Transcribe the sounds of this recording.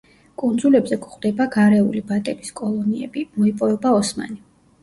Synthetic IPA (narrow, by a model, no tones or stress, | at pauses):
kʼund̪zulɛbzɛkχd̪ɛbaɡaɾɛṵlibat̪ʼɛbiskʼɔlˠɔniɛ̰bimɔipʼɔvɛbaɔsma̰ni